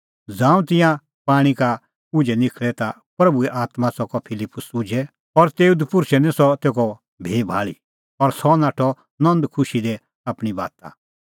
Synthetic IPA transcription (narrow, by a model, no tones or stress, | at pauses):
d͡zãːũt̪ɪ̃jã | paːɽ̃ika | ʊd͡ʒɛnɪkʰɭɛt̪a | pɾɐbuɛʔaːt̪mãsɔkɔpʰɪlɪpːʊsʊd͡ʒʱɛ | ɔɾt̪eːud̪pʊɾʃɛnɛ̃sɔt̪eːɡɔ | bʱeːbʱaːɭḭ | ɔɾsɔnaːʈʰɔ | nɔ̃nd̪kʰʊʃid̪ɛ | aːpɽ̃iba̰ːt̪a̰